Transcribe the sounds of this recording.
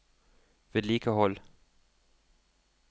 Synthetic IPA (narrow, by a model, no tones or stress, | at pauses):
ʋeliːkʰəɦɔl